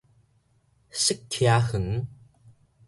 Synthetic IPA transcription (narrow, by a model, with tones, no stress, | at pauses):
si˦˥k̚t̪ʰi˧a˧hɯ˩˦ŋ